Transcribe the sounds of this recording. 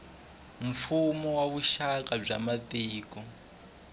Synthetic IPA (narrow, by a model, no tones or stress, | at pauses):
m̩fumɔwaβuʃakab͡ʐamatiːkɔ